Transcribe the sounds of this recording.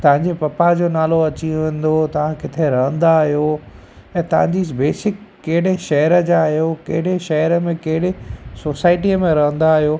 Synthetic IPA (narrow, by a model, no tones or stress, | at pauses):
t̪ɐʋ̤ãɲd͡ʑepɐpad͡ʑoːnaːloɐt͡ɕĩʋẽːn̆d̪ot̪ɐʋ̤ãkɪt̪ʰeɾɐɦə̃nd̪aɦjo | ɛ̃ːt̪ɐʋ̤ãɲd͡ʑibeːsɪkːɐɦɪɽ̤eʃɐɦɾəd͡ʑaɦijoːkɐ̰ɦɪɽeʃɐɦəɾəmẽkɐɦɪɽ̤esoːsaːɪʈiəmẽɾɐɦə̃nd̪aːɦijoː